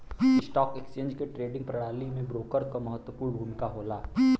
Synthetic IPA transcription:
sʈɔːkekst͡ʃẽːɲd͡ʒkeʈɾeːɖɪ̃ŋɡ̚pɾɐɽaːlimẽbɾoːkəɾkomɐɦət̪wəpuːɾbʱuːnkaɦoːlaː

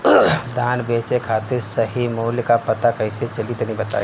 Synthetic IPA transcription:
d̪ʱaːnbeːt͡ʃekʰaːt̪ɪɾsɐɦimoːljkapɐt̪akɐɪset͡ʃɐlit̪nĩbɐt̪a̰ːe

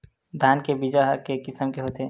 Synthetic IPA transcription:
d̪ʱjaːnkebid͡ʒaɦkekɪsəmkeɦoːt̪eː

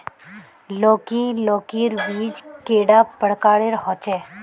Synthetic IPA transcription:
loːkiloːkiɾʋiːd͡ʒkeːɽapəɽkaːɽeɾɦɔːt͡ʃɛː

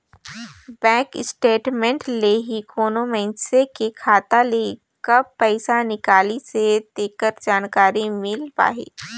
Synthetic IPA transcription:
bɛ̃ːkɪsʈeːʈmɛ̃ɳʈleɦikoːnomẽsekekʰaːt̪ale | kɐbpɛɪsanɪkaːlised̪eːkəɾd͡ʒaːnkaːɾimɪlpa̰ːɦḛː

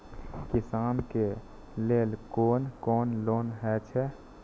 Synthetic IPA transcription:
kɪsaːnke | leːlkoːnkɔːnloːnɦɛt͡ʃʰɛ

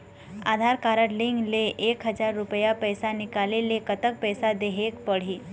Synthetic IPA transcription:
aːd̪ʱaɾkaɾəʈlɪŋɡleʔeːkɦəd͡ʒaɾːʊpəjapɛjsanɪkaːlelekət̪ək̚pɛːsad̪eɦekpəɽ̤i

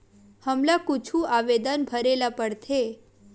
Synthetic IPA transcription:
həmlakut͡ʃʰuaʋed̪ənbʱəɾelapəɽt̪ʰe

